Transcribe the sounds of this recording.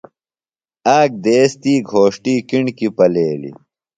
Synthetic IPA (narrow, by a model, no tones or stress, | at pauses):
aːk̚d̪eːst̪iːɡʱoːʂʈiːkiɳkipɐleːlḭ